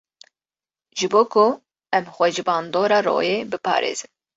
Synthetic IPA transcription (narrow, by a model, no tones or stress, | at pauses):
ʒɨboːkʰʊ | ɛmxʷɛʒɨbɑːnd̪oːɾɑːɾo̰ːjeːbɨpʰɑ̰ːɾḛːz̥ɨn